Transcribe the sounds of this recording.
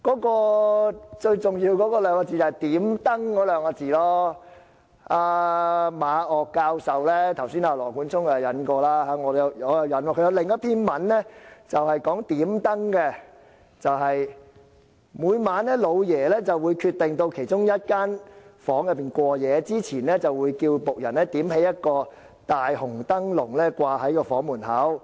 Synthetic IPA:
kɔː˨˥kɔː˧ | t͡ʃɵ˧ɥt͡sʊ˨˩ŋjiː˧wkɔː˨˥kɔː˧lœː˨˧ŋɔː˧t͡siː˨˩t͡sɐ˨˩hɐ˨jt̪iː˨˥mt̪ɐ˥ŋkɔː˨˥lœː˨˥ŋa˧t͡siː˨˩lɔː˥ | aː˧maː˨˧ɔː˨kːaː˧wsɐ˨wlɛː˥t̪ʰɐ˨˩wsiː˥naː˧lɔː˨˩kuː˨˥nt͡sʰʊ˥ŋɐ˨jɐ˨˧nkɔː˧laː˥haː˨˥ŋɔː˨˧jɐ˨˧wjɔ˨˧jɐ˨˧wjɐ˨˥nwɔː˧kʰɵ˧jɐ˨˧wlɪ˨ŋjɐ˥t̪ʰiː˥nmɐ˨˥nlɛ˥t͡sɐ˨whɐ˨jkɔː˨˥ŋt̪iː˨˥mt̪ɐ˥ŋkɛ˧ | t͡sɐ˨whɐ˨j | muː˨˧jmaː˨˧nlɛː˥lo˨˧wjɛː˨˩lɛː˥t͡sɐ˨wuː˨˧jkʰyː˧t̪ːɪ˨ŋt̪o˧wkʰe˨˩jt͡ʃʊ˥ŋjɐ˥t̚kaː˥nfɔː˨˥ŋjɐ˨pːiː˨nkʷɔː˧jɛː˨˧t͡siː˥t͡sʰiː˨˩nlɛ˥t͡sɐ˨wːuː˨˧jkiː˧wpʊ˨k̚jɐ̰˨˩nlɛː˥t̪iː˨˥mhe˨˥jɐ˥t̚kɔː˧ | t̪aː˨jhʊ˨˩ŋt̪ɐ˥ŋlʊ˨˩ŋlɛː˥kʷaː˧hɐ˨˥jkɔː˧fɔː˨˥ŋmuː˨˩nhɐː˨˥w

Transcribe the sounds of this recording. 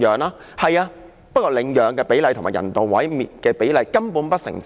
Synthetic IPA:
œː˨˩ŋlaː˥ | hɐ˨jaː˧ | pt̚kɔː˧lɪ˨˧ŋjœː˨˧ŋkɛː˧pe˨˥jlɐ˧jt̪ʰmːaː˨˩jɐ̰˨˩nt̪o˨˩wwɐ̰˨˥jmiː˨˩t̚kɛː˧pe˨˥jlɐ˨˧jkɐ˥mpuː˨˥npɐ˥t̚sɪ̰˨˩ŋt͡s

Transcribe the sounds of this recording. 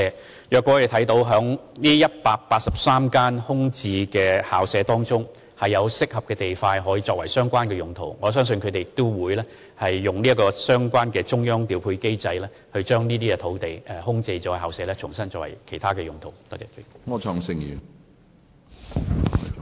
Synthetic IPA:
ɛ˨˧ | jœː˨kʷːɔː˧˥ɔ˨˧de˨t̪ʰɐ˨˥jt̪o˨˥wɦœː˨˥ŋniː˥jɐ˥t̚paː˧k̚paː˧t̚sɐ˨p̚saː˥mkaː˥nhʊ˥ŋt͡siː˧kɛː˧haː˨wsɛː˨˧˥t̪ɔː˥ŋt͡sʊ˥ŋ | hɐ˨jːɐ˨˧wsɪ˥k̚hɐ˨p̚kɛː˧t̪e˨jfaː˧jɦɔː˨˥jiː˧t͡sɔː˧k̚wɐ˨˩jsœː˥ŋkʷaː˥nkɛː˧jʊ˨ŋt̪ʰo̰˨˩wŋɔː˨˧s̬œː˥ŋs̬ɵ˧nkʰɵ˨˧t̪e˨jɪk̚t̪ʊ˥wuː˨˧jlɛː˥ | hɐ˨jːʊ˨ŋliː˥ɐ˥kɔː˧sœː˥ŋkʷaː˥nkɛː˧t͡sʊ˥ŋjœː˥ŋt̪iː˨˧wpʰuː˧jke˥jt͡sɐ˧jlɛː˥ | hɵ˧ɥt͡ʃœː˥ŋniː˥t̪iː˥kɛ˧t̪ʰo˨˥wt̪e˨˩jʔɛː˨hʊ˥ŋt͡se˧jt͡ʃɔ˨˧˥whaː˨wsɛː˨˧lɛː˥t͡ʃʰʊ˨˩ŋsɐ˥nt͡sɔː˧˥kwɐ̰˨˩jkʰe˨˩jt̪ʰaː˥kɛː˧jʊ˨˩ŋt̪ʰo˨˩wt̪ːk̚ɛ˨˩˨ŋɔ˨˧t͡ʃʰɔ˨˧ŋsɪ˧ŋjy˨

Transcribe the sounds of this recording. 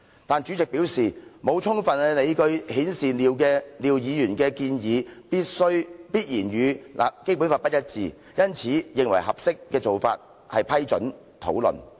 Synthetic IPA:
t̪aː˨nt͡ʃyː˨˥t͡sɪ˨k̚piː˨˥wsiː˨mo˨˧wt͡ʃʰʊ˥ŋfɐ˨nɛ˧ne˨˧jkɵ˧ɥhiː˨˥nsiː˨liː˨wkɛː˧liː˨wjiː˨˧jyː˨˩nkɛː˧kiː˧njiː˨˧piː˥t̚sɵ˥ɥpiː˥t̚jiː˨˩nɥyː˨˧lʔa̰ː˨ke˥p̬u˨˥nfaː˧pɐ˥t̚jɐ˥t̚t͡siː˨˧ | jɐ˥nt͡sʰiː˨˥jɪ˨ŋwɐ̰˨˩jɦɐ˨p̚sɪ˥kːɛː˧t͡so˨wfa̰ː˧t̚ | hɐ˨jpʰɐ˥jt͡ʃɵ̰˨˥n | t̪ʰo̰˨˥wlɵ̰˨n

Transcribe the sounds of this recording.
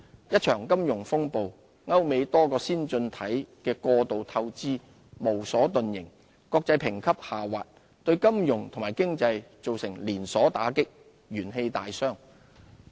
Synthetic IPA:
jɐ˥t̚t͡ʃʰœː˨˩ŋkɐ˥mjʊ˨˩ŋfʊ˥ŋpo˨w | ŋɐ˥wme˨˧jt̪ɔː˥kɔː˧siː˥nt͡sɵ˧nt̪ʰɐ˨˥jkɛː˧kɔː˧t̪o˨wt̪ʰɐ˧wt͡siː˥ | mo˨˩wsɔː˨˥t̪ɵ˨njɪ˨˩ŋ | kɔː˧k̚t͡sɐ˧jpʰɪ˨˩ŋkʰɐ˥p̚haː˨˩waː˨t̚ | t̪ɵ˧ɥkɐ˥mjʊ˨ŋt̪ʰŋmaː˨˩jkɪ˥ŋt͡sɐ˧jt͡so˨wsɪ˨˩ŋliː˨˩nsɔː˨˥t̪a̰ː˨˥kɪ˥k̚ | ɥyː˨˩nɦe˧jt̪aː˨jsœː˥ŋ

